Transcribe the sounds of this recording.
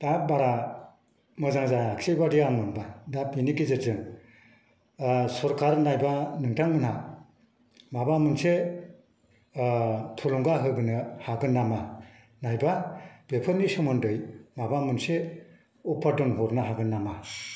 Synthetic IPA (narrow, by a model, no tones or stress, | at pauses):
d̥abaɾa | mɯzaŋzajaksebadijaŋmɯnbadabinikizɯzɯŋ | sɔɾkʰaɾnajbanɯŋtʰaŋmɯnha | mabamɯnse | tʰɔlɔŋɡaɦɯbɯnɯhaɡɯnːama | najbab̥epʰɯɾnisɔmɯndɯjmabamɯnse | upʰadɔnɦɔɾnaɦaɡɯnːama